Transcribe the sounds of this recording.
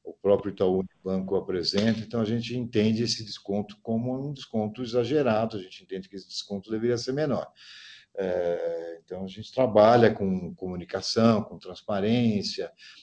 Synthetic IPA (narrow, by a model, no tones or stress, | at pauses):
ʊpɾɔpɾjʊt̪aunibɐ̃kʊapɾezẽnt̪ɐẽt̪ɐ̃w̃aʒẽnt͡ʃɪẽnt̪ẽnd͡ʒɪesɪd͡ʒɪskõnt̪ʊ̥kõmʊũd͡ʒɪskõnt̪ʊizaʒeɾad̪ʊaʒẽnt͡ʃɪẽnt̪ẽnd͡ʒɪkɪesɪd͡ʒɪskõnt̪ʊd̪eveɾiɐseɾmenɔɾ | ɛẽt̪ɐ̃w̃ɐʒẽnt͡ʃɪ̥t̪ɾabaʎɐkõkomũnikasɐ̃w̃kõt̪ɾɐ̃spaɾẽsjɐ